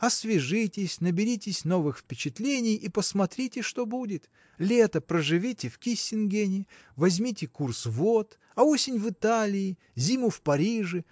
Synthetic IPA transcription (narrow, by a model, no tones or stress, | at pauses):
ɐsvʲɪʐɨtʲɪsʲnəbʲɪɾʲitʲɪsʲno̞vɨxfpʲɪt͡ɕɪt̪lʲenʲɪjʔipəsmɐt̪ɾʲitʲɪʂt̪o̞budʲɪt̪ | lʲet̪əpɾəʐɨvʲitʲɪfkʲisʲːɪnɡʲenʲɪ | vɐzʲmʲitʲɪkursvot̪ | ɐosʲɪnʲvɨt̪alʲɪː | zʲimʊfpɐɾʲiʐɨ